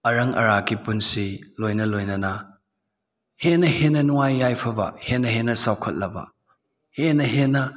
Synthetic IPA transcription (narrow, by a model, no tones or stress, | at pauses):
ɐɾɐŋɐ̰ɾakipunsilojnɐlojnɐnɐ | henɐhenɐnuŋajːajpʰɐbɐ̰henːɐɦenɐsawkʰɐt̚lɐbɐ̰ | henːɐɦenɐ